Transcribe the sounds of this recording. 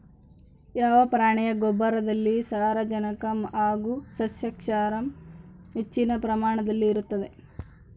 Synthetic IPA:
jaːʋɐpɾaːɳɛjɐɡobːɐɾɐd̪ɐlːisaːɾɐd͡ʒɐnɐkɐmaːɡusɐsjɐkʂaːɾɐmɦet͡ʃːinɐpɾɐmaːɳɐd̪ɐlːiːɾut̪ːɐd̪e̞

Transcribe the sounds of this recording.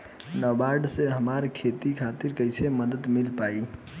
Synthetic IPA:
nəbaɾɖseɦəmaɾkʰet̪ikʰat̪iɾkəɪseməd̪ət̪milpai

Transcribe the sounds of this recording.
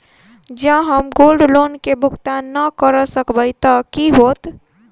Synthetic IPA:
d͡ʒãɦəmɡoːlɖloːnkebʱʊkt̪anəkəɾəsəkbəɪt̪əkiɦoːt̪

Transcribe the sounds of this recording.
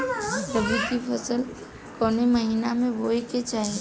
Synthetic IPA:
ɾəbʱikipʰɐsəl | kɔːniməɦiːnamẽʋoːiket͡ʃaːɦẽ

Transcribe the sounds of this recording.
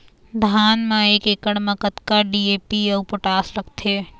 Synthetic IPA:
d̪ʱaːnmãeːkekəɽmɐkət̪kaɖiːeːpiɔːpoʈaːsɾəkʰt̪ʰeː

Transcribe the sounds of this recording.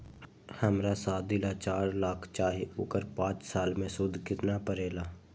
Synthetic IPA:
həmɾasaːd̪ilat͡ʃaːɾlaːkʰt͡ʃaːɦeʔʊːkəɾpãːt͡ʃsaːlmẽsʊd̪ʱkɪt̪napəɾeːlaː

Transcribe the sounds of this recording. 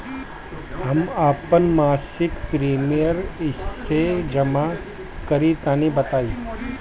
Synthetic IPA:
ɦɐmaːpənmaːsɪkpɾiːmijəɾɪsːed͡ʒɐma | kɐɾit̪aːnibɐt̪aːi

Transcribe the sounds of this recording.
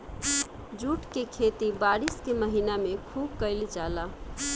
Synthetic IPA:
d͡ʒuʈkekʰet̪ibaɾiskeməɦinamekʰubkəɪld͡ʒala

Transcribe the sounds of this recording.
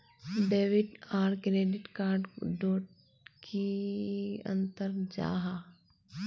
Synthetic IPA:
ɖeːʋɪʈaːɾkɾeːɖɪʈkaːɾɖɖoːʈ | ki | ə̰̃nt̪əɾd͡ʒa̰ːɦa

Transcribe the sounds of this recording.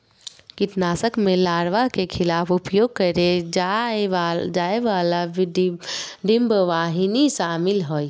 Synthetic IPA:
kit̪naːsəkmelaːɾʋaɦkekʰɪlaːpʰʊpjoːɡ̚kəɾed͡ʒ | d͡ʒaːeʋalaʋ | ɖɪmbʋaːɦiniʃaːmɪlɦoi

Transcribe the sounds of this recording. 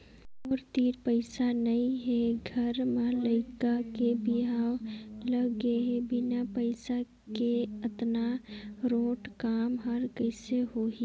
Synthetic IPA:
ɔːɾt̪iːɾpəɪsanɐĩɦɛɡʱəɾmaləɪkakebɪɦaːwləɡeɦebɪnapəɪsa | keɐt̪naɾoːʈkaːmɦəɾkəɪseɦoːɦi

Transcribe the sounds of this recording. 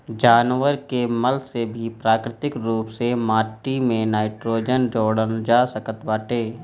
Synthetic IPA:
d͡ʒaːnʋəɾkeməlsebʱipɾaːkɾɪt̪ɪkɾuːpsemaːʈːimẽnaːɪʈɾoːd͡ʒənd͡ʒoːɽənd͡ʒaːsəkət̪baːʈeː

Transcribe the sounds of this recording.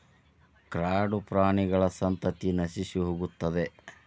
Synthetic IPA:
kɾaːɖupɾaːɳiɡɐɭɐsɐnt̪ɐt̪inɐʃisiɦoːɡut̪ːɐd̪e

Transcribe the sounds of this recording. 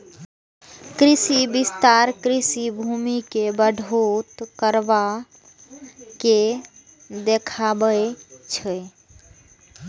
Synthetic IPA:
kɾisibist̪aɾkɾisibʱumikebəɖʱot̪kəɾba | ke | d̪ekʰabəjt͡ʃʰɛ

